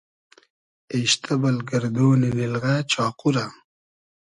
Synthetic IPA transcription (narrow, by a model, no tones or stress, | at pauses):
eɕt̪ʰɐbɐlɡɐɾd̪oːninilɣaːt͡ʃɑːquɾa